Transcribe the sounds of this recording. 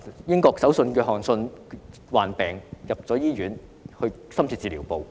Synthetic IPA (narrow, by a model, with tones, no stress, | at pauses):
jɪ˥ŋkɔː˧k̚sɐ˨˥wsɵ˧nkɛː˧ɦɔː˨˩nsɵ˧n | waː˨npɛː˨ŋjɐ˨p̚t͡sɔː˨˥jiː˥ɥyː˨˥nhɵ˧ | sɐ˥mt͡sʰiː˧t͡siː˧liː˨˩wpo˨w